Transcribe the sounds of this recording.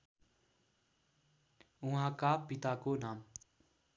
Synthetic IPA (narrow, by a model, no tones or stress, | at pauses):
ʊɦãkapɪt̪akonaːm